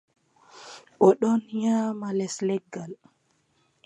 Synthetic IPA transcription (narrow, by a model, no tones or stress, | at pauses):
ʔɔɗɔnjaːmalɛslɛɡal